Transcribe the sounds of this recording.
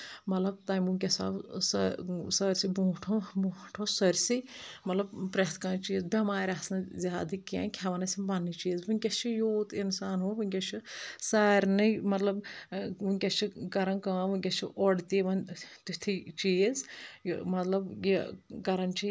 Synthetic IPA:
mɐt̪lɐbt̪aːnmunʲkʲɐsa̰ːbsɐsɐɾʲsibũːʈʰobuːʈʰosɐɾʲsimɐt̪lɐbpɾɐɦt̪ʰkãːnt͡ʃiːzbʲɐmaːɾʲasnɨzʲaːd̪ikã̰ːnkʲʰɐʋɐnɐsʲimbɐnːit͡ʃiːzbɨnʲkʲɐt͡ʃʰijoːt̪insaːnɦoːbɨnʲkʲɐt͡ʃʰisaːɾʲnɨmɐt̪lɐbunʲkʲɐst͡ʃʰikɐɾɐnkãːʋɨkʲɐt͡ʃʰiʔɔɽt̪iːʋɐnt̪ut̪ʰit͡ʃiːzmɐt̪lɐbjikɐɾɐnt͡ʃʰi

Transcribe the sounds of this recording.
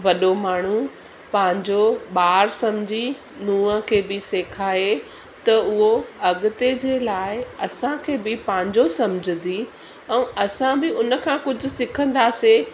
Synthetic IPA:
ʋɐɗomaːɳ̤u | pɐ̃ɦɪ̃ɲd͡ʑoɓaːɾsɐmd͡ʑʱi | nũːəkʰeːbɪseːkʰaːe | t̪ɐʊɦoɐɠʊt̪ed͡ʑeːlaːɪɐsãkʰeːbɪpɐ̃ːɪ̃ɲd͡ʑosɐmd͡ʑʱɪnd̪i | ɛ̃ːɐsãbɪʊnə̆kʰãːkʊd͡ʑʱʊ̆sɪkʰə̃nd̪aːse

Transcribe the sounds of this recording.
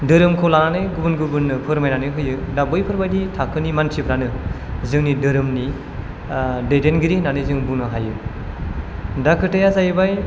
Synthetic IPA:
dɯɾɯmkʰolananɯjɡubɯnɡubɯnːɯpʰɯɾmajnanɯɦɯjɯ | dabɯjpʰɯɾbajditʰakʰɯnimantʰipɾanɯ | zɯŋnidɯɾɯmni | dedenɡiɾinanɯjzɯŋbunɯɦajɯ | dakʰɯtajazajɯbaj

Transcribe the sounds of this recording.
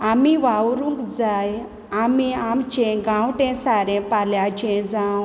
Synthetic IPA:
amiʋawɾũkd͡zaj | amiamt͡ɕɛ̃ɡãwʈɛ̃saɾɛ̃paljat͡ɕɛ̃d͡zãw

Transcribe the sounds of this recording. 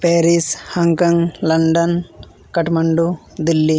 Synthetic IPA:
peːɾishɐŋkɐŋɡlɐɳɖɐn | kɐʈmɐɳɖu | d̪ilːi

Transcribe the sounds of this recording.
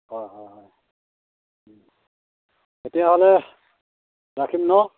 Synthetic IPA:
hɔjɦɔjɦɔj | etijaɦɔlɛ | ɹakʰimnɔ

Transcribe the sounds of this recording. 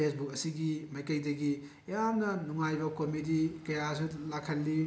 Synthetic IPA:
esbuk̚ɐsiɡimɐjkɐjdɐɡi | jamnɐnuŋajbɐkomidikɐjas̬ulakʰɐlːi

